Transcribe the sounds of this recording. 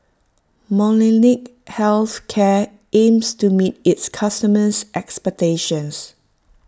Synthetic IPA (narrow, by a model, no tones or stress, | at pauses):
mɔnɛnik̚hɛlθkʰɛ | ẽmstumit̚ɪtskʰastəməsʔɛkspɛk̚teʃə̃ns